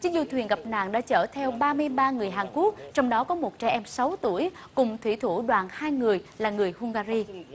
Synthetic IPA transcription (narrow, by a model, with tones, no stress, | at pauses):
t͡ɕɨ˨˦ŋ̟zṵ˧˩t̪ʰwi˨˩ənŋɣə˨˩p̚na̰ː˧˨ŋɗa̰ː˧˥t͡ɕəː˧˩t̪ʰɛ˧wɓaː˧mɨ˧əjɓaː˧ŋɨ˨˩əjɦaː˨˩nku˦˥ək̚t͡ɕɔ˧wŋ͡mɗɔ˨˦kɔ˨˦mo˨˩t̚t͡ɕɛ˧˩ʔɛ˧msa˨˦wt̪u˧˩əj | kʊ˨˩ŋ͡mt̪ʰwḭ˧˩t̪ʰu˧˩ɗwa̰ː˨˩nhaː˧jŋɨ˨˩əjlaː˨˩ŋɨ˨˩əjhʊ˧ŋ͡mɣaː˧zi˧